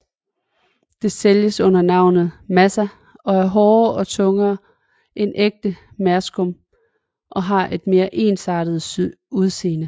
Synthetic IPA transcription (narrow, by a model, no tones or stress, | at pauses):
d̥e̝seljəsɔ̽n̰ɐnɑ̈ʊ̰nð̩ˠmæsæ | ɒ̽æɐɦɒːɒ̽t͡sʰɔ̽ŋɐː | ʔe̝nʔeɡ̥̚d̥ə | mæɐsɡ̥ɔm | ʔɒ̽ɦɑ̈ʔe̝d̥me̝ːɐʔe̝ːnsɑ̈ːɾ̥ð̩ˠ | uð̞ˠse̝̰ːnə